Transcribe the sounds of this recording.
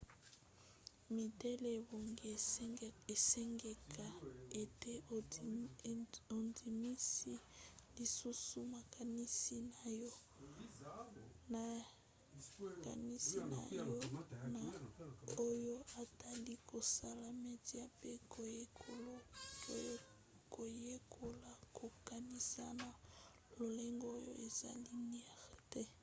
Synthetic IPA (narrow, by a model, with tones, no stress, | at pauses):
mi˨tɛ˦le˨bo˨ŋɡe˨ | e˨sɛ˦ŋɡe˨kʰa˨e˨te˦ | o˨ndi˨mi˦si˦li˨su˦su˦ma˨ka˨ni˦si˦na˨jo˦ | na˨ | ka̰˨ni˦si˦na̰˨jo˦na˨ | o˦jo˦a˨ta˦li˦kʰo˨sa˦la˨me˦ti˦a˦pe˦ko˨je˦kʰo˦lo˦ | ko˨je˦kʰo˦la˨ko˨ka˨ni˦sa˦na˨ | lo˨le˦ŋɡɔ˦o˦jo˦ʔe˨za̰˨li˦ni˦ɛ˨ʁtɛ˦